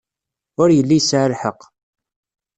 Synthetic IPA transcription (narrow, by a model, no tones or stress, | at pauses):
ʊɾjəlːijsʕəɾħəq